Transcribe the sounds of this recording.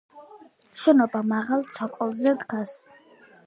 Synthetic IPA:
ʃɛnɔbamaʁalˠt̪sʰɔkʼɔlˠzɛd̪ɡʰas

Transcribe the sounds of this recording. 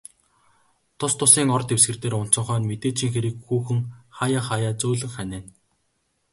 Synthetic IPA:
t̪ʰʊst̪ʰʊsiːŋɔrt̪ewsɡɘ̆rt̪eːɾʊn̥t͡sə̆ɴχœːnmet̪eːt͡ɕiːŋxeɾɘ̆kxuːxɘ̆ŋχaːjaːχajaːt͡soːɮɘ̆ŋχænæːn

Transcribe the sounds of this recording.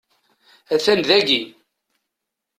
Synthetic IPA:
æθænðæɡi

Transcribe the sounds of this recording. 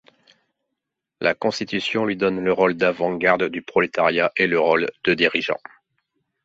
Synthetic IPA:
lʔa̰kɔ̃st̪it̪ysjɔ̃lɥid̪ɔnləʁold̪avɑ̃ɡaʁd̪d̪ypχɔlet̪aʁjaʔeləʁold̪̥əd̪iʁiʒɑ̰̃

